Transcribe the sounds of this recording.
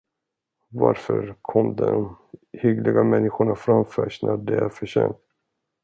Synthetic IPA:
vaɾfœɾkʰɔmd̪ɔ̰mhʏɡlɪɡamɛnːɪɧʊɳafɾamfœːʂnʔæɖɛɾfœɕeːnt̪

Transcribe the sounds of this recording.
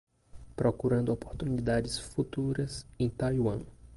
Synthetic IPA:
pɾɔkuɾɐ̃nd̪ʊɔpoɾt̪unid̪ad͡ʒɪsfut̪uɾɐsẽj̃t̪ajwɐ̃

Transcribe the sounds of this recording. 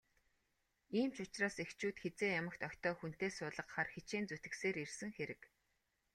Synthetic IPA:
iːmt͡ɕʊt͡ɕraːsext͡ɕuːt̪xet͡seːjamə̆kt̪ɔkʲt̪ɔːxun̥t̪eːsʊːɮə̆qχarxet͡ɕiːnt͡sut̪ɘ̆kseːɾirsɘ̆ŋxeɾɘ̆k

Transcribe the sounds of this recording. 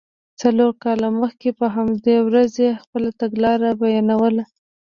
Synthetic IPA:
t͡saloɾkɑlaməxkepəɦamd̪ewɾazexpəlat̪aɡlɑɾabajɑnawəla

